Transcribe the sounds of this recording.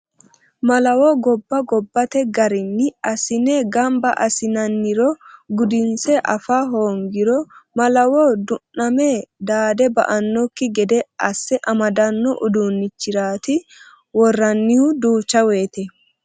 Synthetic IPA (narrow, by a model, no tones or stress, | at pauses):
mɐlɐwɔɡɔbːɐɡɔbːɐt̪ɛɡɐɾɪnːɪɐsɪneɡɐmbɐʔɐsɪnɐnːɪɾɔɡʊd̪ɪnsɛʔɐfaːɦoːŋɡɪɾɔmɐlɐwɔd̪ʊnːɐmed̪aːd̪ɛbɐ̰ʔɐnːɔkːɪɡɛd̪ɛʔɐsːɛʔɐmɐd̪ɐnːɔʔʊd̪uːnːɪt͡ʃːɪɾaːt̪ɪ | wɔrːɐnːɪhʊd̪uːt͡ʃːɐwe̞ːt̪ɛ